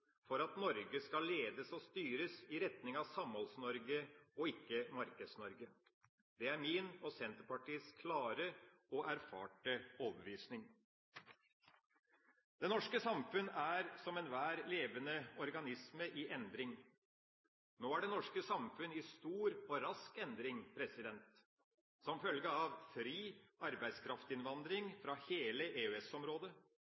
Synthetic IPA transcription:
fɔɾɑt̪nɔɾɡəskɑleːd̪əsɔst̪yːɾəsɪɾɛt̪nɪŋɑʋsɑmhɔlsnɔɾɡəɔɪkːəmɑɾkəd̪snɔɾɡə | d̪ɛæɾmɪnɔsɛnt̪əɾpɑʈiːskʰlɑːɾəɔʔæɾfɑ̰ːʈəoːbəʋiːsnɪŋ | d̪̥ɛnɔʂkəsɑmfʉnːæːɾsɔmɛnʋæːɾleːʋənəɔɾɡɑnɪsməʔɪʔɛnd̪ɾɪŋ | noːæɖɛnɔʂkəsɑmfʉnɪst̪uːɾɔɾɑskɛnd̪ɾɪŋpʰɾɛsɪd̪ɛnt̪ | sɔmfœlɡəɑʋfɾiːɑɾbæɪd̪skʰɾɑft̪ɪnʋɑnd̪ɾɪŋfɾɑheːləʔeːʉɛsɔmɾoːd̪ə

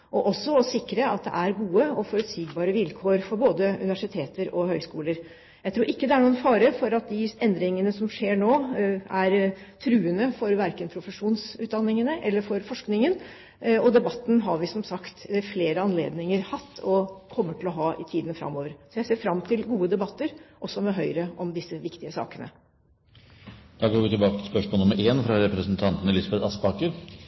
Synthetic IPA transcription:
ʔɔʔɔsːɔɔsɪkːɾəɑt̪̚d̪ɛ̰ʔæɾɡuːəɔfɔɾʉt̪siːɡbɑːɾəʋɪlkʰoːɾfɔɾboːd̪əʉ̰nɪʋæʂɪt̪ʰeːt̪əɾɔhœʏskuːləɾ | jæɪt̪ʰɾuːɾɪkːəd̪ɛæɳuːənfɑːɾəfɔɾɑt̪̚d̪ɪʔɛnd̪ɾɪŋənəsɔmʂeːɳoːæɾt̪ʰɾʉːənəfɔɾʋæɾkənpʰɾʊfəʂuːnsʉːd̪ɑnːɪŋənəʔɛlːəfɔɾfɔʂknɪŋən | ɔd̪ɛbɑt̪ːn̩ɦɑɾʋɪsɔmsɑkt̪fleːɾəɑnlḛːd̪nɪŋəɾhɑt̪ʰːɔkʰɔmːəʈʰɪlɔɦɑːʔɪt̪ʰiːd̪nfɾɑ̰mːoːʋəɾsɔjæɪseːfɾɑmt̪ʰɪlɡuːəd̪ɛbɑt̪ːəɾʔɔsːɔmɛɦœʏɾəʔɔmd̪ɪsːəʋɪkt̪ɪəsɑ̰ːkənə̰ | d̪̥ɑːɡoːɾʋɪt̪ʰɪlbɑːkət̪ʰspœʂmoːlnʊmːəɾʔeːnfɾɑɾɛpɾɛsənt̪ʰɑnt̪ənəlɪsɑbɛt̪ɑspɑːkəɾ

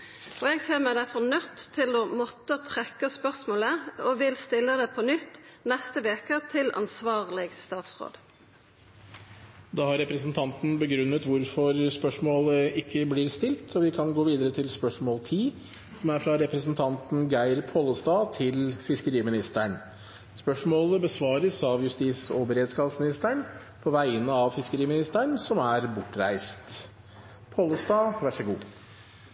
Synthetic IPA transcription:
ɔɛɡseːʁmæd̪æfɔnœt̪ʰːɪlɔmɔt̪ːət̪ʰɾɛkːəspœʁsmoːləɔʋɪlst̪ɪlːəd̪ɛpʰɔnʏt̪ːnɛst̪əʋeːkət̪ʰɪlʔɑ̰nsʋɑːʁlɪɡst̪ɑːt̪sʁo̰ːd̪ | d̪ɑːhɑɾɛpɾəsnt̪ʰɑnt̪n̩bəɡɾʉnːət̪ʋʊɾfɔɾspœʂmoːləɪkʰːəblɪːɾst̪ɪlt̪sɔʋɪkʰɑnɡoːʋiːd̪əɾət̪ʰɪlspœʂmoːlt̪ʰiː | sɔmæɾfɾɑɾɛpɾəsənt̪ʰɑnt̪n̩ɡæɪɾpʰoːlːəst̪ɑːt̪ʰɪlfɪskəɾiːmɪnɪst̪æɳ | spœʂmoːləbəsʋɑːɾəsɑʋjʉst̪iːsɔbəɾeːd̪skɑːpsmɪnɪst̪əɳ | pʰɔʋæɪənəɑʋfɪskəɾiːmɪnɪst̪əɳsɔmæɾbʊʈːɾæ̰ɪst̪ | pʰoːlːəst̪ɑːʋæʂəɡṵː

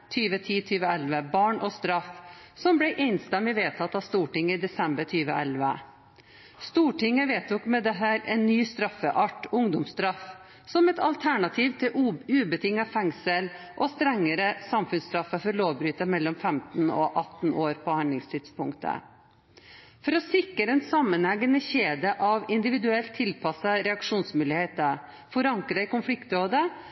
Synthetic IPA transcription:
t̪ʰyːʋət̪ʰiːt̪ʰyːʋəɛlʋəbɑːɳʔɔst̪ɾɑfsɔmblɛɪʔɛɪnst̪ɛmːɪʋeːt̪ʰɑt̪ːɑʋst̪uːʈɪŋːəɪd̪ɛsɛmbəʈʰyːʋəʔɛ̰lʋə | st̪uːʈɪŋːəʋeːt̪ʰuːkmɛd̪ɛɦæːɾɛnːyːst̪ɾɑfːəʔɑʈʊŋd̪ʊmst̪ɾɑf | sɔmɛt̪ɑ̰lt̪ʰæɳɑt̪ʰiːʋt̪ʰɪlʉːbət̪ʰɪŋːɑfɛŋsəlʔɔst̪ɾɛŋːəɾəsɑmfʉnst̪ɾɑfːəfɔɾloːʋbɾyːt̪ɑmɛlːɔmfɛmt̪n̩ɔ̰ʔɑt̪ːn̩oːɾpʰɔhɑnd̪lɪŋst̪ʰɪd̪spʊŋkt̪ʰə̰ | fɔɾɔsɪkːəɾəɛnsɑmːənæɡənəçeːd̪əʔɑʋɪnd̪ɪʋɪd̪ʉɛlt̪ʰːɪlpʰɑsɑɾɛɑkʂuːnsmʉːlɪheːt̪ə | fɔɾɑŋkɾɑɪkʊnflɪkt̪ɾoːd̪ə

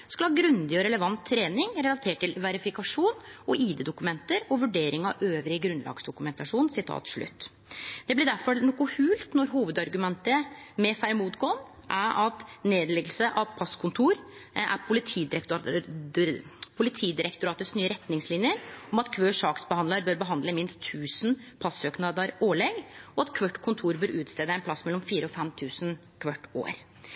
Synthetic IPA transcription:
skɑlɑːɡɾʉnd̪ɪɔɾɛləʋɑnt̪ʰːɾeːnɪŋɾɛlɑt̪ʰeːʈʈːɪlʋæɾɪfɪkɑʂuːnɔʔiːd̪ɛːd̪ʊkʉmɛnt̪əɾɔʋʉɖeːɾɪŋɑ̰ʋøːʋɾɪəɡɾʉnlʔɑ̰ːɡsd̪ʊkʉmɛnt̪ɑʂuːnsɪt̪ʰɑ̰ːt̪ʂɭʉ̰t̪ː | d̪̥ɛblɪɖæɾfɔɾnɔkʊhʉːlt̪nɔɾɦuːʋəd̪ɑɾɡʉmɛnt̪əmɛfæɾmuːt̪ɡoːn | ʔæɾʔɑt̪neːd̪lɛɡəlsəʔɑʋpʰɑskʰʊnt̪ʰuːɾʔæ̰pʰʊlɪt̪ʰiːd̪ɾ | pʰʊlɪt̪ʰiːd̪ɪɾɛkt̪ʊɾɑːt̪əsnyːəɾɛt̪nɪŋslɪnjəɾɔmɑt̪kʰʋøːʂɑːksbəhɑnləɾbøːɾbəɦɑnd̪ləmɪnst̪ʰːʉːsnpʰɑsøːknɑd̪əɾoːɭɛɡɔɑt̪kʰʋœʈːkʰʊnt̪ʰuːɾbøːɾʉːt̪st̪eːd̪əɛnpʰlɑsmɛlːɔmfiːɾəɔfɛmt̪ʰʉːsn | kʰʋœʈːo̰ːɾ

